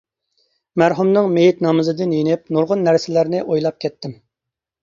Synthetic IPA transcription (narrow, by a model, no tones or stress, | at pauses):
mæɾɦumnɨŋmejit̪nɑːmɨzɨd̪ɪnjenɪp̚nuɾʁʊnːæɾsɪlæɾnɪʔojlˠɑp̚kʲʰɛt̪ʰːɪm